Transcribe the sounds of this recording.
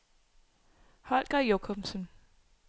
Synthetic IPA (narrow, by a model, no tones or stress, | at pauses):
hɒlɡ̥ɐjokʰɔmsən